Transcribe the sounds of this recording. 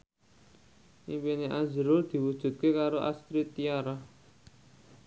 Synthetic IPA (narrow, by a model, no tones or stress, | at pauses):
ʔimpineʔazəɾʊrd̪̥i̤wud̥ʒ̥ṳt̪̚kekaɾoʔa̰st̪ɾit̪ijaɾah